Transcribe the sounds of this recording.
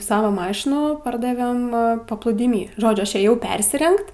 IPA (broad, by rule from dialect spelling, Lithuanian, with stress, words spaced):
ˈsɑːʋɐ ˈmɑːʃʲɪnuː ˈpɐrdɐʋʲɛm pɐplˠuːdʲiːˈmʲiː ˈʒoːd͡ʒʲʊ ˈɐʃ eːˈjɛʊ ˈpʲɛrʲsʲɪrʲɛŋkt